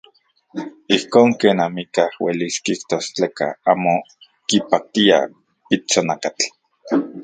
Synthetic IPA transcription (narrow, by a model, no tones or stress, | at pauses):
ihkoːŋkeːnamikahwḛliskiht̪ost͡ɬeːka̰aːmo | kipak̚t̪ia̰ | it͡sonakat͡ɬ